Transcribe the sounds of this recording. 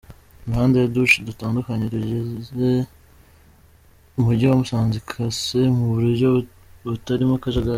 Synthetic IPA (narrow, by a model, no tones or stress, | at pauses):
uɾuhaːndejaduʃidutaːndukaɲeɾuɟeze̞ | umuɾɟawamusaːnzikʰasemuβuɾuɾɟo | βutaɾimakaʒaɡa